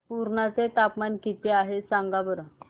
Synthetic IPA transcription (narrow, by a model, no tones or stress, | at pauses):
puɾɳat͡set̪apmankit̪eaɦesãŋɡabəɾə